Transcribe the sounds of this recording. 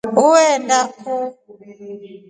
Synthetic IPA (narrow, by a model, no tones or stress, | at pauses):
ʊwɛndakʰo